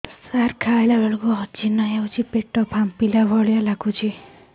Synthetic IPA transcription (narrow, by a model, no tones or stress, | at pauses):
sarkʰajlabʱeɭkoɦʌt͡ʃinʌjawt͡ʃʰipeʈːɔpʰampilabʱɔɽjalaɡut͡ʃʰi